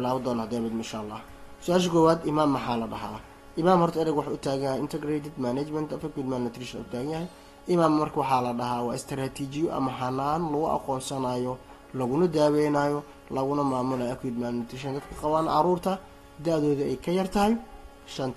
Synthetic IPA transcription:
bɪlaːβɐd̪ɔːnhɐd̪ɛːβɛd̪mɪʃa̰ːlːɑ̰ːh | sʊaːʃ̬ɐkʰɔːwaːd̪ɪmaːmːɐħɑːlɐɖɐɦa̰ː | ʔɪmaːmhɔrt̪ʰɐɛɾɪɡwɑħɑʊt̪ʰaːɣɐjɐhjɪnt̪ʰɐɡɾɛt̪ʰɛd̪manat͡ʃmɐnt̪ʰɐfɐkwiːd̪mannɪt̪ʰɾɪʃɐnʊ̰t̪ʰaːɣɐnjɐhɛj | ʔɪmaːmmɐrkʰɐwɑħɑːlɐɖɐɦaːwɑːɪst̪ʰɾaːt̪ʰiːt͡ʃɪjɔʔɐ̰mɐɦɐnːaːnlɐɣʊʔɑ̰qɔːnsɐnaːjɔ | lɐɣʊnɐd̪aːwɛjnaːjɔ | lɐɣʊnɐmaːmʊlaɐkʰwid̪maːnnɪt̪ʰɾɪʃ̬ɐnd̪ɐd̪kʰɐqɑβaːnʕɑ̰ɾuːrt̪ʰɐ | d̪ɐʕðɔːðɪɛjkʰɐjɐrt̪ʰɐɦɛj | ʃɐnt̪ʰ

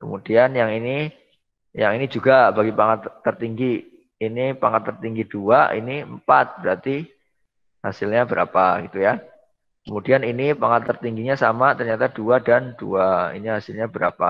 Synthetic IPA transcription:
kəmudianjaŋini | ja̰ŋinid͡ʒuɡabaɡipaŋat̪ːərt̪iŋɡiː | nipaŋat̪ːərt̪iŋɡid̥uaʔḭnimpat̪̚b̥əɾat̪i | hasɪlɲabəɾa̰paɡ̥it̪uja | kəmudianinipaŋat̪ːərt̪iŋɡiɲasa̰mat̪ərɲat̪aduadand̥uaḭniɦasɪlɲabəɾa̰pa̰

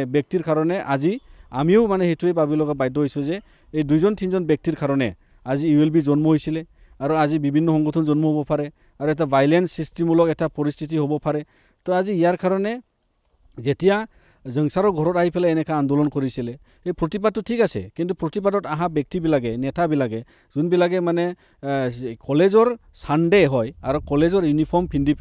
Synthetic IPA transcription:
bjek̚tiɹkaɾɔnɛʔazia̰mioʊmanɛhetuejbabilɔɡabajdɔɦojsuzɛ | ejdujzɔntʰinzɔnbek̚tiɹkaɾɔnɛ | aziːwelbizɔnmɔɦojsilɛ | aɾuazibibʱinːɔɦɔŋɡɔtʰunzɔnmɔɦobɔpʰaɾɛ | aɾuɛtabʱajlensːistimulɔkɛtapɔɾist̪ʰit̬iɦobɔpʰaɾɛ | t̪ɔaziijaɹkaɾɔnɛ | zetija | zəŋsaɾɔɡʱɔɾɔtaɦipʰɛlaɛnɛkaand̪ɔlɔnkɔɹisilɛ | ejpʰɹɔtip̬at̚tːutʰikasɛ̰kintupɹɔtip̬adɔtaɦabjɛk̚tibilaɡɛnɛtabilaɡɛ | zunbilaɡɛmanɛ | kɔlezɔɹ | sanɖeɦɔjaɾukɔlezɔɹjunipʰɔɹmpʰindip

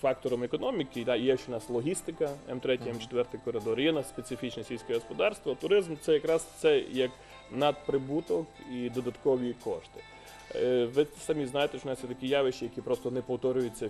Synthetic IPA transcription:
fɑk̚t̪ɔɾɔmekɔnɔmʲikɪd̪ɑjɛʃt͡ʃɔʊnɑslˠɔɦʲist̪ɪkɐɛmt̪ɾɛtʲijɛmt͡ʃe̥t̪ʋɛrt̪ɪjkɔɾɪd̪ɔɾjɛnɑsspet̪sɪfʲit͡ʃnɛsʲilʲsʲkʲɛɦɔspɔd̪ɑrst̪ʋɔt̪ʊɾɪzmt̪sɛjɐkɾɑst̪sɛjɐk | nɐd̪̚pɾɪbut̪ɔkid̪ɔd̪ɐt̪kɔʋʲikɔ̰ʃt̪ɪ̥ | ʋɪsɐmʲiznɑjet̪ɛʃt͡ʃɔnɑssɛt̪ɐkʲijɑʋɪʃt͡ʃijɐkʲipɾɔst̪ɔnɛpɔwt̪ɔɾʲʊjʊt͡sʲːɐ

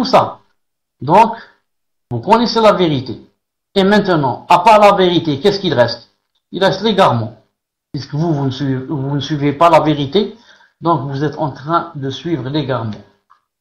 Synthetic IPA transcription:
t̪usa | d̪ɔ̃k | vukɔneselaveʁit̪ḛ | emɛ̃t̪ənɑ̃apaʁlaveʁit̪ekɛskilʁɛst̪ | ilʁɛst̪leɡaʁmɔ̃ | piskəvuvunivunəsɥivepalaveʁit̪e | d̪ɔ̃kvuzɛt̪ɑ̰̃t̪χɛ̃d̪əsɥivʁəleɡaʁmɔ̰̃

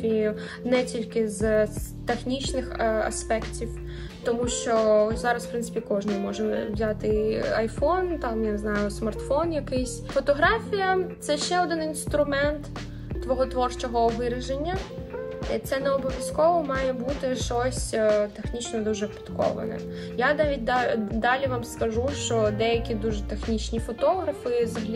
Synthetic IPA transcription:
i | nɛtʲilʲkɪzt̪exnʲit͡ʃnɪxɐ̰spɛktʲiw | t̪ɔmuʃt͡ʃɔzɑɾɐsfpɾɪnɪ̥pʲikɔʒnɪmɔʒɛʋzʲat̪ɪɐjfɔnt̪ɑmjaneznɑjʊsmɐrt̪fɔnjɐkɪjsʲfɔt̪ɔɦɾɑfʲijɐt̪sɛʃt͡ʃɛɔd̪ɪninst̪ɾʊmɛnt̪ː | ʋɔɦɔt̪ʋɔrt͡ʃɔɦɔʋɪɾɪʒenʲːɐ | t̪sɛnɛɔbɔʋʲjɐskɔʋɔmɑjɛbut̪ɪʃt͡ʃɔsʲt̪exnʲit͡ʃnɔd̪uʒɛpʲi̥t̪kɔ̰ʋɐ̰nɛ̰ | janɑʋʲit̚ʲd̪d̪ɑlʲiʋamskɐʒuʃt͡ʃɔd̪ɛjɐkʲid̪uʒɛt̪exnʲit͡ʃnʲifɔt̪ɔɦɾɐfɪzɐɦɐlʲi

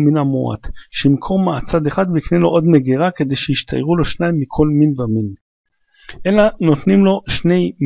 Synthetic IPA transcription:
minamo̰a̰t̪ʃeimkʰoʁmaːt͡sad̪eχad̪beiknejloʔod̪meɡeʁake̞d̪e̞jʃeiʃt̪ʰa̰jʁulo̞ʃnaimːikʰo̞lminvamin | ʔelano̞t̪nimlo̞ʃne̞jm

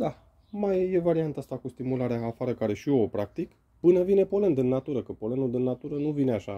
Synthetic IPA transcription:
d̪a | majje̞vaɾiant̪ast̪akust̪imulaɾeaːfaɾəkaɾe̞ʃioopɾak̚t̪ik | pɨnəvine̞po̞le̞nd̪ɨnːat̪uɾəkəpo̞lenud̪ɨnːat̪uɾənuvineaʃa

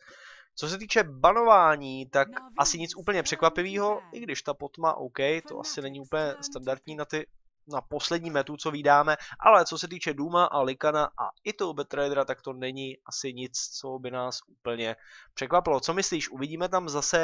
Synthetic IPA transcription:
t͡so̞s̬ɛt̪iːt͡ʃɛbano̞vaːɲiːt̪akʔasɪɲɪt͡sʔuːpl̩ɲɛpr̝̥ɛkvapɪviːɦo̞ʔɪɡdɪʃt̪apot̪ma̰ʔowkɛjt̪o̞̰ʔa̰sɪnɛɲɪupəɲɛst̪andaɾt̪ɲiːnat̪ɪ | napo̞slɛdɲiːmɛt̪ut͡so̞viːdaːmɛʔa̰lɛt͡so̞sɛt̪̬iːt͡ʃɛduːmaʔalɪkanaʔa̰ʔɪt̪oobɛt̪ɾajdɾat̪ak̚t̪o̞nɛɲɪʔasɪɲɪt͡st͡so̞bɪnaːsʔuːpl̩ɲɛpr̝̥ɛkvapɪlo̞t͡so̞mɪsliːʃʔuvɪɟiːmɛt̪amzasɛ

